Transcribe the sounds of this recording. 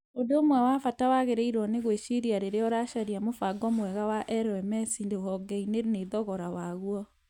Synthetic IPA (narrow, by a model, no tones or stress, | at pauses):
ondomwɛwafatawaɣeɾɛiɾɔneɣweʃiɾiaɾeɾeɔɾaʃaɾiamofaɡɔmwɛɣawaʔɛɾɔɛmɛsindewɔɡɛineɾneðɔɣɔɾawaɣwɔ